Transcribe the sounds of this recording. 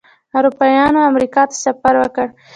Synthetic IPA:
aɾupɑjɑnoamɾikɑt̪ḁsafaɾwəkəɽ

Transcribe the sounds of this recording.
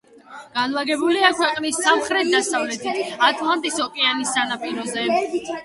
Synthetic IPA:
ɡ̥anlˠaɡɛbuliakʰwɛqʼnisːamχɾɛt̪̚ʰd̪asavlɛt̪ʰiat̪ʼlˠant̪ʼisɔkʼɛanisːanapʼiɾɔzɛ

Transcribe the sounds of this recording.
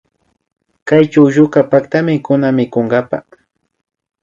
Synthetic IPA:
kajt͡ʃawʒʊkapakt̪amɪkʊnamɪkʊŋɡapa̰

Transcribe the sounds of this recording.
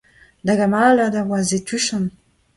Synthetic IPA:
d̪aɡamaladavwazetyʃan

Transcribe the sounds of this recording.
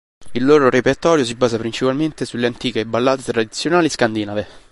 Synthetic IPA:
ilːoːɾoɾepert̪ɔːɾjos̬ibaːzapɾint͡ʃipalment̪esulːeant̪iːkebalːaːt̪et̪ɾad̪it̪sːjonaːliskand̪inave

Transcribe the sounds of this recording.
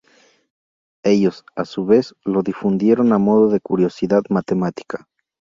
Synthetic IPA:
e̞ʝo̞sasuβe̞slo̞ðifund̪je̞ɾo̞namo̞ðo̞ðe̞kuɾjo̞siðaðmat̪e̞mat̪i̥kḁ

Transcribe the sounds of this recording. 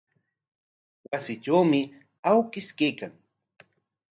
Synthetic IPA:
wasɪʈ͡ʂawmɪ | awkɪskejkaŋ

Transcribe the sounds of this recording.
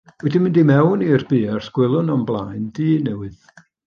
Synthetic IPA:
wɛdɪnmɪndimɛwnirb̥iːarsɡ̥wɪlˠʊnɔmblˠaːjndiːnɛwɨð

